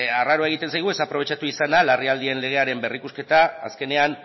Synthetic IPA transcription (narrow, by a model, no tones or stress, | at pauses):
araɾoae̞ɣ̞it̪ensajɣ̞ue̞sapɾo̞β̞e̞t͡ʃat̪uisanalariald̪ie̞nle̞ɣ̞e̞aɾe̞mbe̞rikuske̞t̪aːske̞ne̞an